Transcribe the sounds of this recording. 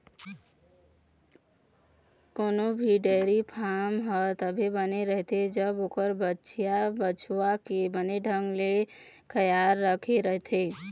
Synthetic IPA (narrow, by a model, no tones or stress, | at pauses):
koːnobʱiɖɛːɾipʰaːmɦət̪əbʱibəneɾəɦt̪ʰed͡ʒəbokəɾbətːʃijabət͡ʃwakebəneɖʱə̃ŋɡle | kʰəjaːɾːəkʰeɾəɦt̪ʰeː